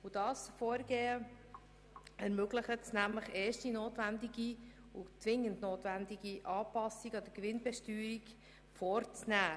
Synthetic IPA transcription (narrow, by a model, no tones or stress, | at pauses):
ud̥ɑːsfɔːɾɡeːə | ɛɾmøɡləχətsnæmləχɛːʃtinoːtʋændiɡi | ut͡sʋɪŋːəndnoːtʋændiɡiʔɑːpɑsiɡɑd̥̪əkʋɪnbɛʃtyːɾik | fɔːɾt͡snæː